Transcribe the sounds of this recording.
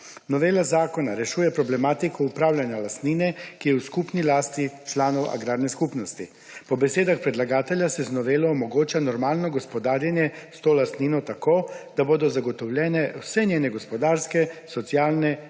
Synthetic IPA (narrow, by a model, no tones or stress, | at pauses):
nɔʋeːlazaːkɔnaɾɛʃuːjɛpɾɔblɛmaːt̪ikɔupɾaːwlʲjanjalast̪niːnɛkijɛuskupnilaːst̪it͡ʃlaːnɔwʔa̰ɡɾaːdnɛskupnɔst̪i | pɔbɛseːd̪axpɾɛd̪laɡaːt̪ɛljasɛznɔʋeːlɔːmɔɡoːt͡ʃanɔɾmaːlnɔɡɔspɔd̪aːɾjanjɛst̪oːlast̪niːnɔt̪akoːd̪aboːd̪ɔzaɡɔt̪ɔwlʲjɛːnɛwsɛnʲjeːnɛɡɔspɔd̪aːɾskɛsɔt̪sjaːlnɛ